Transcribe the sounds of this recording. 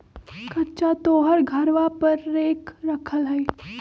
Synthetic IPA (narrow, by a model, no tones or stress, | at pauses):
kɐtːt͡ʃat̪oːɦəɾɡʱɐɾʋapɐɾːeːkɾɐkʰəlɦɛe